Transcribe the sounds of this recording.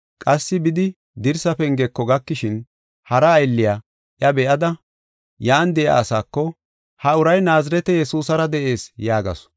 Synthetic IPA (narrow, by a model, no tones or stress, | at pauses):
kʼɐsːɪbɪd̪ɪ | d̪ɪɾsɐfɛŋɡɛkːɔɡɐkːɪʃɪn | hɐɾɐːjlːɪjaː | ʔjɐbɛʔɐd̪ɐ | jaːnd̪ɛʔa̰ːsaːkːɔ | hɐʊɾɐjnaːzɐɾɛt̪ɛjɛsuːsɐɾɐd̪ɛʔe̞ːsjaːɡɐ̰s